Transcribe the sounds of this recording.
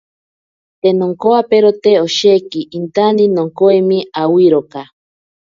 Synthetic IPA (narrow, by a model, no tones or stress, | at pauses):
t̪enoŋkoapeɾot̪eoʃekiʔːnt̪aninoŋkoemiawiɾoka